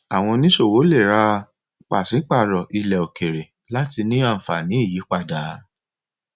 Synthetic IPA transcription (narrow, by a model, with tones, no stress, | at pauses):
a˨w̃ɔ̃˧nĩ˦ʃo˦˨wo˨˦le˦˨ɾa˦˧ | k͡pa˨sĩ˨˦k͡pa˦˨ɾɔ˨ʔi˧lɛ˨o˨ke˨ɾe˨ | la˦ti˧nĩ˦a˦˨fa˨nĩ˨˦i˦˨ji˨˦k͡pa˦˨da˨˦